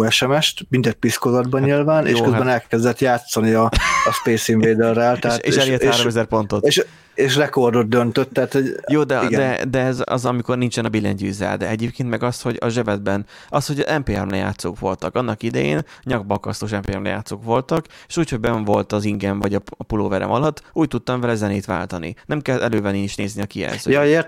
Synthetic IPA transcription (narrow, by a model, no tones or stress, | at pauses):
ɛʃɛmɛʃt̪mind̪ɛt̪̚piskozɒd̪bɒɲilvaːnḛʃʃkøzabɛnɛlkɛzd̪ɛt̪jaːt̪sːɒniɒːʃpeːsiɱveːd̪ɛlraːlt̪ɛɦaːḛːʃɛleɛt̪haːɾo̞mɛzɛrpo̞nt̪o̞t̪eʃ | eːʃrɛko̞rd̪od̪̚d̪ønt̪øt̪ːɛɦaːt̪hoɟjoːd̪ɛɡd̪ɛd̪ɛɛzɒ̰zɒmiko̞rnint͡ʃɛnɒbilːɛ̰ɲɟy̰ːzɛ̰ld̪ɛɛɟeːpkeːnt̪mɛɡɒsho̞ɟɒʒɛbɛd̪̚bɛn | ɒst̪ho̞ɟɒzɛmpeːɛ̰mlɛja̰ːt̪soːkʋo̞lt̪ɒkɒnːɒkid̪ɛjḛːnɲɒɡ̚bɒkɒst̪oːʃɛmpeːɛmlɛ̰ja̰ːt̪soːkʋo̞lt̪ɒke̥ʃuːcho̞ɟ̚bɛɱvo̞lt̪ɒziŋɡɛɱvɒɟɒɒpuloːvɛɾɛ̰mɒlɒt̪ːuːc̚t̪ut̪ːɒɱvɛlɛzɛneːt̪ʋa̰ːlt̪ɒnḭnɛmkɛlɛløːvɛniiʃneːzniɒkijɛ̰ːzøːjet̪